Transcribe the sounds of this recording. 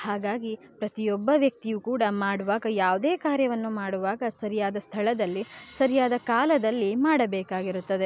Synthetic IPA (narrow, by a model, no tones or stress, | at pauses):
haːɡaːɡipɾɐt̪ijɔbːɐʋjɐk̚t̪ijukuːɽɐmaːɽuʋaːɡɐjaːʋd̪eːkaːɾjɐʋɐnːumaːɽuʋaːɡɐsɐɾijaːd̪ɐst̪ʰɐɭɐd̪ɐlːisɐɾijaːd̪ɐkaːlɐd̪ɐlːimaːɽɐbɛːkaːɡiɾut̪ːɐd̪e̞